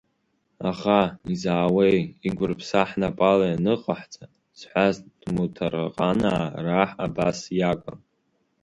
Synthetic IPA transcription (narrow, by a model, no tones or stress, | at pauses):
aχaizaːwejiɡʷʊrpʰsaħnapʼalajanɨqʼaħt͡sʼa | z̥ħʷazd̥mutʰara̰qʼanaraħabasjakʼan